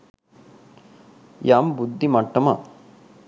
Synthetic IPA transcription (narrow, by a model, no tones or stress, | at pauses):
jaːmbud̪ʱːimɐʈːɐma̰